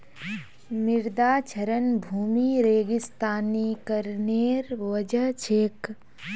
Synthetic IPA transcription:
mɪɾd̪aːt͡ʃʰəɾənbʱuːmiːɾeːɡɪst̪aːnikəɾneːɾʋəd͡ʒət͡ʃʰeːk

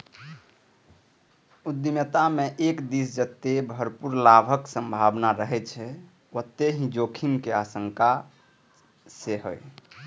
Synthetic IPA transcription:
ud̪imət̪ameʔekd̪isd͡ʒət̪ːebʱəɾpuɾlabʱəksə̃mbʱabnaɾəɦɛt͡ʃʰɛ | wot̪ːeɦĩd͡ʒokʰimkeasəŋka | seɦo̰j

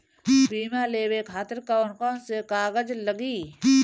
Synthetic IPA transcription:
biːmaleːwekʰaːt̪əɾkaonkɔːnsekaːɡəd͡ʒləɡiː

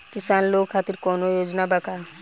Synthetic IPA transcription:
kisanlokʰːat̪iɾkɔnojoːd͡ʒnabakaɾ

